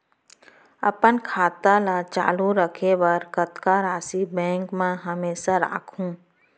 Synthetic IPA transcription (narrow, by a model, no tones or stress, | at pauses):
ə̰pənkʰaːt̪alat͡ʃa̰ːluɾəkʰebəɾkət̪kaɾaːsibɛ̃ːŋkmẽɦəmeːsaɾa̰ːkʰũː